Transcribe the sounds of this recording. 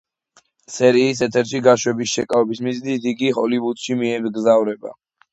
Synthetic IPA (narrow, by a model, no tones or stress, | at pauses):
sɛɾiːs̬ɛt̪ʰɛɾʃiɡaʃwɛbisʃɛkʼavɛbismiznid̪iɡiɦɔlivut̪ʃimiɛmd̪ɡzavɾɛba̰